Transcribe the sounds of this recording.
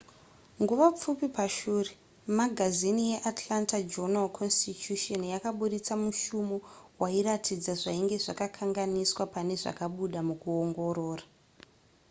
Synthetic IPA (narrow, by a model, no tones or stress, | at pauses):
ŋɡuʋap͡fupipaʃuːre | maɡʱazinije̞ʔatʰlantad͡ʒonalkʰonstit͡ʃuʃonjakaɓuɗit͡samuʃumowaiɾatʰid͡zaʐaiŋɡe̞ʐakakʰaŋɡaniswapane̞ʐa̰kaɓuɗamukuoŋɡo̞ɾo̞ːra